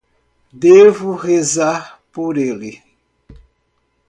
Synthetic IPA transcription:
d̪evʊhezaɾ | poɾeli

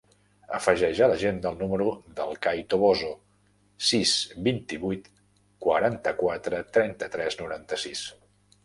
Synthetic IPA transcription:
əfəʒɛʒələʒend̪əlˠnuməɾuðəlˠkajt̪oβozo | sisbint̪iβujt̪ | kwə̰ɾant̪əkwat̪ɾət̪ɾɛnt̪ət̪ɾɛznuɾant̪əsis

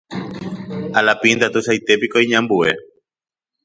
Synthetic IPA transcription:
alapind̪at̪usajt̪epikoiɲãmbuḛ

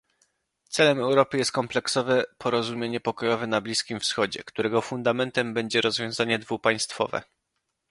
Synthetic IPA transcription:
t̪sɛlɛmɛwɾɔpɘjɛst̪̚kɔmplɛksɔvɛpʰɔɾɔzumʲjeɲɛpɔkɔjɔvɛnablʲiskʲimfsxɔd͡ʑɛ̰kt̪uɾɛɡɔfund̪amɛnt̪ɛmbɛɲd͡ʑɛɾɔzvʲjɔ̃w̃zaɲɛd̪vupaj̃st̪fɔ̰vɛ̰

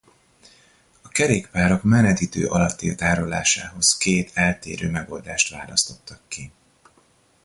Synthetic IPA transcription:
ɒkɛɾeːkpaːɾo̞kmɛnɛd̪iːt̪ø̰ːʔɒlɒt̪ːiːlt̪aːɾo̞la̰ːʃa̰ːɦo̞skeːt̪ʰɛlt̪ḛːɾøːmɛɡo̞ld̪aːʃt̪ʋaːlɒst̪o̞t̪ːɒkːi

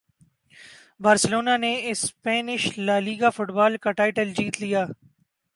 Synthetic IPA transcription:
baːɾsəloːnaːneɪspɛːnɪʃlaːliːɡaːfʊʈbaːlkaʈaːɪʈəld͡ʒiːt̪lijaː

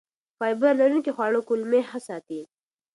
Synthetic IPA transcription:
fɑjbaɾlaɾunkixwɑɽokʊlmehasɑt̪i

